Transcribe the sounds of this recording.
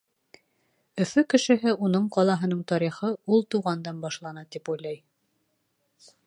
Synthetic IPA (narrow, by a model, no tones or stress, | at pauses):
ɵ̆fɵkɘ̆ʃɘ̆ɦɘʔunɤɴqɒlˠɑɦɤ̆nɤɴt̪ɒɾiχɤulˠt̪uʁɑnd̪ɑnbɑʃlˠɑnɑt̪ipujlˠɑj